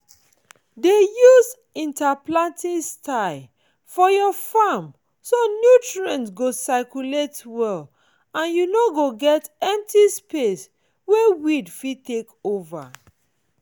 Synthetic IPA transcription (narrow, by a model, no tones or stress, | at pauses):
dejuz | ĩntaplãntĩstaɪ | fɔjɔfam | sonjutɹiɛ̃nɡosaɪkjuletwɛl | ãnjunoɡoɡɛtɛ̃m̚tispes | wewidfitekova̰